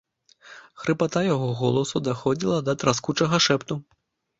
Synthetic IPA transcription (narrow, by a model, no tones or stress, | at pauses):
xɾɨpat̪ajaɣɔɣɔlˠɐsud̪axɔd͡zʲilˠɐd̪ɐt̪ɾaskut͡ʂɐɣɐʂɛpt̪u